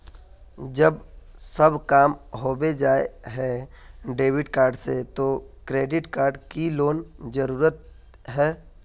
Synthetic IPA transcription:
d͡ʒəb | səbkaːmɦoːbed͡ʒaːḛɦɛ | ɖeːʋɪɖkaːɾɖset̪okɾeːɖɪʈkaːɾɖkiloːnd͡ʒəɾuːɾət̪̚ | ɦɛː

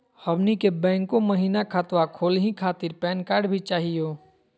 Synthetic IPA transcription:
həʋnikebɛ̃ːŋkõməɦiːnakʰaːt̪ʋakʰoːlɦĩkʰaːt̪ɪɾpɛːnkaːɾɖbʱit͡ʃaːɦijoː

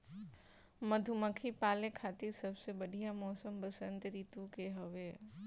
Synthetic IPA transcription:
məd̪ʱuməkʰipaːlekʰaːt̪iɾsɐbsebəɽʱijamɔːsəmbəsə̃nt̪ɾiːt̪ukeɦɔʋeː

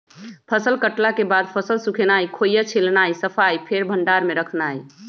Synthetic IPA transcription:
pʰəsəlkəʈlakebad̪̚pʰəsəlsukʰenajkʰojat͡ʃʰilnajsəpʰajpʰeɾbʱəɳɖaɾmeɾəkʰnaj

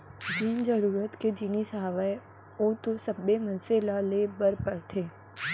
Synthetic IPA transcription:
d͡ʒind͡ʒəɾuɾət̪ked͡ʒinisɦaʋaj | õt̪õsəbːemənselalebəɾpəɾt̪ʰe

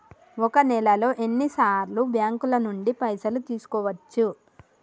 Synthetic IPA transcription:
ɔkɐnɛlɐlo̞ːʔe̞nːisaːɾlubjaːŋkulɐnuɳɖipɐjsɐlut̪iːsu̥kɔːʋɐt͡ʃːu

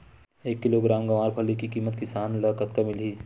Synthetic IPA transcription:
eːkːɪloːɡɾaːmɡɐʋaːɾpʰɐlikikiːmət̪kɪsaːnləkət̪kamɪliː

